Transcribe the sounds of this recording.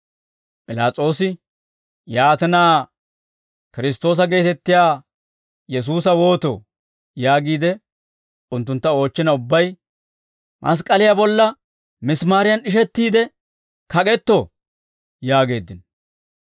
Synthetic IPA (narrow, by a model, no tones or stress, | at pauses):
pʼɪlaːt͡sʼo̞ːsɪ | jaːt̪ɛnaː | kɪɾɪs̬t̪o̞ːs̬ɐɡe̞ːt̪ɛt̪ːɪjaː | jɛs̬uːs̬ɐwo̞ːt̪o̰ | jaːɡiːd̪ɛ | ʊnt̪ːʊnt̪ːɐo̞ːt͡ʃːɪnɐʊbːɐj | mʔɐ̰s̬kʼɐlɪjabɔlːɐ | mɪsmaːɾɪjɐnɪʃ̬ɛt̪ːiːd̪ɛ | kɐkʼɛt̪ːɔ | jaːɡe̞ːd̪ːɪn